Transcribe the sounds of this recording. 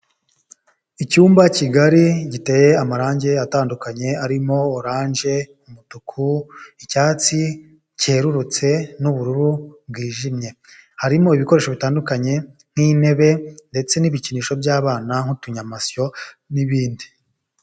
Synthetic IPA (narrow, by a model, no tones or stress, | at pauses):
icuːmbaciɡaɾiɟite̞ːje̞amaɾaːɲɟe̞ataːndukaɲe̞aɾimo̞ːɾaːɲʒe̞ | umutukʰuicaːt͡si | cieɾuɾut͡se̞nuβuɾuɾubɡwiːʒimɲe̞ | haɾimo̞iβiko̞ɾeʃo̞βitaːndukaɲe̞ŋ̥hine̞βe̞nde̞t͡se̞niβiciniʃo̞bjaːβaːnaŋ̥hutuɲamasjo̞ | niβiːndi